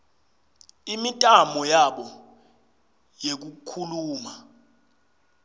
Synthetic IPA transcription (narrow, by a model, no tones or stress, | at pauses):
imitʼamɔjaɓɔ | jek̬ukʰuluːma